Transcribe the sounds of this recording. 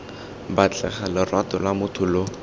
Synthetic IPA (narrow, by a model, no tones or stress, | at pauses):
bat͡ɬɛ̰χalɪrwatɔlamʊtʰʊlo